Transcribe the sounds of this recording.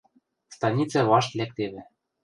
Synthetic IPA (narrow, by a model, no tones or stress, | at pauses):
st̪ɑnʲit͡sɑβɑʃt̪lʲæk̚t̪eβɘ̆